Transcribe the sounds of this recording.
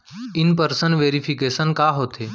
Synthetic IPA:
ɪnpəɾsənʋeːɾipʰikeːsənkaɦoːt̪ʰeː

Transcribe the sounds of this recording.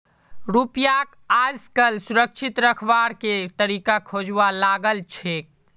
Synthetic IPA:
ɾupjak | ad͡ʒkəlsuɾəkʃʰit̪ɾəkʰʋaɾket̪əɾiːkakʰod͡ʒʋalaɡəlt͡ʃʰek̚

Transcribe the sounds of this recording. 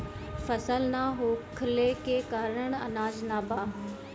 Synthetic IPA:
fəsəlnaɦoːkʰlekeːkaːɾəɳ̃ɐ̰naːd͡ʒnaːbaː

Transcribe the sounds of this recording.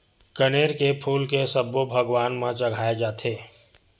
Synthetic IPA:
kəneːɾkepʰuːlkesəbːobʱəɡwaːnmãt͡ʃɐɡʱaːed͡ʒaːt̪ʰeː

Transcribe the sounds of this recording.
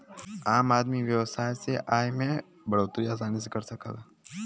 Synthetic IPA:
aːmaːd̪miʋjɐʋsaːjseʔaːjmẽ | bɐɽoːt̪ɾiaːs̬aːnis̬ekɐɾsɐkə̰l

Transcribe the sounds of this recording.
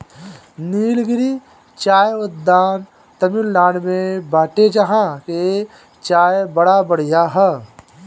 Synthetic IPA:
niːlɡɪɾi | t͡ʃaːjəd̪aːn | t̪ɐmɪlːaːnmẽbaːʈed͡ʒaɦãke | t͡ʃaːjbɐɽabəɽ̤ijaɦɛ

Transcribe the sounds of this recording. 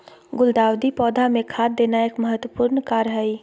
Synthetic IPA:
ɡʊld̪aːwd̪ipɔːd̪ʱamẽkʰaːd̪̚ːeːnaeːkməɦət̪wəpuɾnkaːɾɦai

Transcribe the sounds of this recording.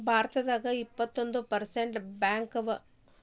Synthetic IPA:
bʱaːɾɐt̪ɐd̪aːɡɐipːɐt̪ːo̞nd̪upɐɾseɳʈbjaːŋkɐʋɐ

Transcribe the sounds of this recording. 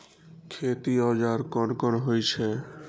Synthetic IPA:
kʰet̪iɔd͡ʑaɾkɔnkɔnɦojt͡ɕʰe

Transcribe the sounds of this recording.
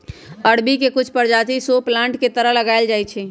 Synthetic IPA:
əɽbikekʊt͡ʃʰpəɾd͡ʒat̪isoplãɳʈket̪əɾəɦləɡaɪld͡ʒajt͡ʃʰɛ

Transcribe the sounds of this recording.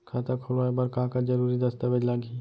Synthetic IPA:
kʰaːt̪akʰolaebɐɾkaɦãkad͡ʒɐɾuːɾid̪ɐst̪aʋed͡ʒlaːɡiː

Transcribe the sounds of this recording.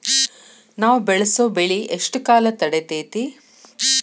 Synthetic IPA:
naːʋbɛɭɐsoːbeɭiʔeʂʈkaːlɐt̪ɐɽet̪eːt̪i

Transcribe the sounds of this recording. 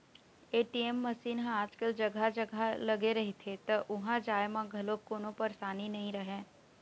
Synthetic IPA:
eːʈiɛmːɐsiːnɦãaːd͡ʒkəld͡ʒɐɡʱad͡ʒɐɡʱalɐɡeɾɐɦet̪ʰet̪ɐʔʊɦãd͡ʒaːemãɡʱɐlokoːnõpɐɾsaːninɐɦĩɾɐɦẽː

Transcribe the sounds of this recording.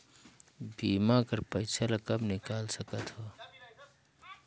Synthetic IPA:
biːmakəɾpəjt͡ʃʰalakəbnɪkaːlsəkət̪ɦoː

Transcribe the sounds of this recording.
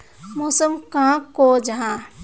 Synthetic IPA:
mosəmkãkod͡ʒɐɦãː

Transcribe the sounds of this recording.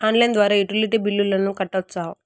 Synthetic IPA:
aːnlɐjnd̪ʋaːɾaːiʈiliʈibilːulːɐnukɐʈːɐt͡ʃːaː

